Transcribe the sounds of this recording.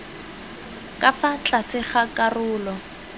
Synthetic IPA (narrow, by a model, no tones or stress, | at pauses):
kʼafat͡ɬʼasɪχakʼarʊːlɔ